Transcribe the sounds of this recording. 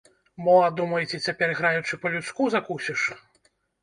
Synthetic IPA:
bɔad̪umɐjt͡sʲɛt͡sʲapʲɛrɣɾajut͡ʂɨpɐlʲut̪skuzakusʲiʂ

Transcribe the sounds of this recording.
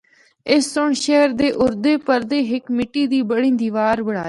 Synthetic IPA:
ɪsːʊɳʃɛɦəɾd̪eːʔʊɾd̪eːpəɾd̪eːɦɪkmɪʈːiːd̪iːbəɽĩːnd̪iːʋaːɾbəɽa̰ːeː

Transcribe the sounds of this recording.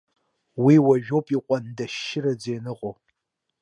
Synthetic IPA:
wiːwɐʒᶣowpʼiqʷʼɔndɐʃɪɾɐd͡zeːnɨʁʷo

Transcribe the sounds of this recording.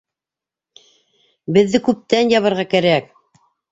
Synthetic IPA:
bɘ̆ðːɘkʉp̚t̪ænjɑβɤ̆ɾʁɑkæɾæk̚

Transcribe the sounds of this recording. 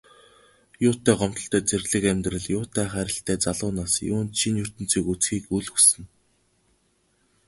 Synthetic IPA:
jʊːt̪ːæːɢɔm̥t̪ɞ̆ɬt̪æːt͡serɮɘ̆kæmʲt̪rə̆ɮjʊːt̪æːχæɾʲɪ̆ɬt̪æːt͡saɮʊːnaːsjʊ̰ːnt͡ɕʰinjɵr̥t̪ɵ̆nt͡siːkut͡sxiːkuɮɵksɘ̆n

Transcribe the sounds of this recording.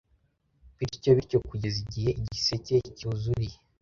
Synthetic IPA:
βiɾco̞βiɾco̞kuɟeziɟihe̞ʔiɟisece̞cuːzuɾije

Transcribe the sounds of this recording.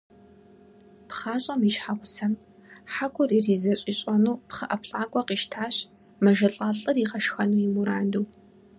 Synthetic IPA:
pχaːɕʼɐmiʃħaʁʷʊsɐm | ħakʷʰʼʊririːzɐɕʼiɕʼɐnuːpχɐʔɐpʰɬʼaːkʷʼɔqiːʃtʰaːɕ | mɐʒɐɬʼaːɬʼɨriːqɐʃxɐnuːjimuɾaːnduː

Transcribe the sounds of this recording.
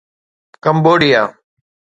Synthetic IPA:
kəmboːɽɪjaː

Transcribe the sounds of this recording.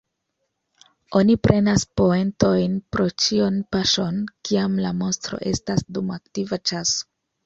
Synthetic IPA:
o̞nipɾe̞naspo̞e̞nto̞jnpɾo̞t͡ʃionpaʃo̞nkiamlamo̞nstɾo̞̰ʔe̞stasdumaktivat͡ʃaso̥

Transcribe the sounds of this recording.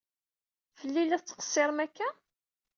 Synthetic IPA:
fəlːilæt͡sːə̥qə̥sˤːɪɾˤmækːæ

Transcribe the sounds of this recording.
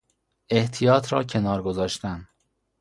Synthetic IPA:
e̞ht̪ʰijɒːt̪ʰɾɒːcʰe̞nɒːɾɡo̞zɒːʃt̪æn

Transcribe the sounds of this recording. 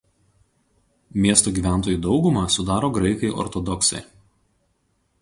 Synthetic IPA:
mʲiɛst̪oːɡʲiːʋʲæˑnt̪oːjuːd̪ɒʊɡʊmɐˑsʊd̪ɑːɾoːɡɾɐɪkɐɪʔɔ̰ɾt̪ɔd̪ɔksɐ̰ɪ

